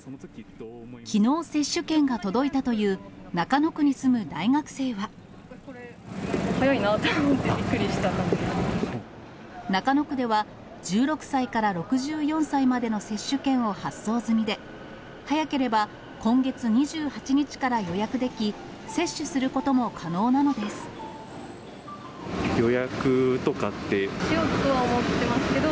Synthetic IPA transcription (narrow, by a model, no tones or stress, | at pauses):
kʲʰino̞ːse̞ɕːɨkẽ̞ŋɡat̪o̞d̪o̞it̪at̪o̞jɯ̟ː | nakano̞kɯ̟ɲ̟isɨmɯ̟d̪aiŋakɯ̥se̞ːβa | hojoinat̪am̃t̪ːebʲikːɯ̟ɾʲiɕi̥t̪ana | nakano̞kɯ̟d̪e̞βa | d͡ʑɨːɾo̞kɯ̟̥saikaɾaɾo̞kɯ̟ʑɨːjõ̞ɰ̃saimad̪e̞no̞se̞ɕːɨkẽ̞ɰ̃o̞hasːo̞ːzɨmʲid̪e̞ | hajake̞ɾe̞ba | kõ̞ŋɡe̞t͡sɨɲ̟iʑɨːhat͡ɕiɲ̟it͡ɕi̥kaɾajo̞jakɯ̟d̪e̞kʲi | se̞ɕːɨsɨɾɯ̟ko̞t̪o̞mo̞kʰano̞ːnano̞d̪e̞sɨ̥ | jo̞jakɯ̟t̪o̞kat̪ːe̞ɕijot̪t̪oβaomot̪ːe̞masɨ̥ke̞d̪o